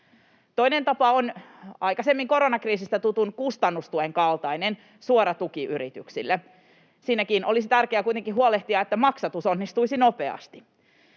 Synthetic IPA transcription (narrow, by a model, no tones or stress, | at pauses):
t̪o̞inent̪ɑpɑonɑjkɑsemːiŋko̞ɾo̞nɑkriːsist̪æt̪ut̪unkust̪ɑnːust̪ueŋkɑlt̪ɑinen | suoɾɑt̪ukiʔyɾit̪yksḭlːe | siːnækiːnʔo̞lisit̪ærkeæːkujt̪eŋkiɦuoleht̪iɑet̪ːæmɑksɑt̪uso̞nːist̪uisino̞peɑ̰st̪i̥